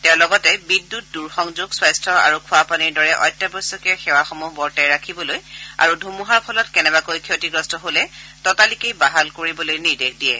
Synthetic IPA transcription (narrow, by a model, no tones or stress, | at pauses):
tɛʊ̃lɔɡɔtɛbidːut̚duɹxɔŋzuɡswajstʰɔa̰ɹukʰʊapaniɹdɔɹɛʔɔ̰jtːabɔjsɔkɛxɛwaxɔmuɦbɔɹtajɹakʰibɔloja̰ɹudʱumuɦaɹpʰɔlɔtkɛnɛbakojkʰiotiɡɹɔstɔɦolɛtɔtalikejbaɦalkoɹibɔlojniɹdekʰdijɛ̰